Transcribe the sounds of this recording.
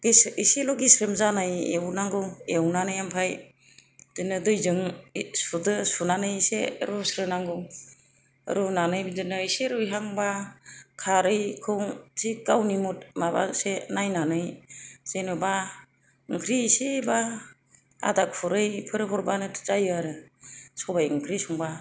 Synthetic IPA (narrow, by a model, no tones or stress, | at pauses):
ɡesiselɔɡisɾɯmzanɯjḛwnaŋɡɯwewnanɯjampʰaj | d̥ɯnɯdɯjzɯŋsudɯsunanɯjsḛɾusɾɯnaŋɡɯw̰ | ɾunanɯjbidɯnɯiseɾɯjɦaŋbakʰaɾɯjkʰɯwsikawnimut̚maba̰senajnanɯjsenɯba | ɯŋkʰɾiseba | a̰dak̚pʰɔɾɯjpʰɯɾɯpʰɔɾbanɯtʰt͡ʃajɯaɾɯsɔbajɯŋkʰɾisuŋba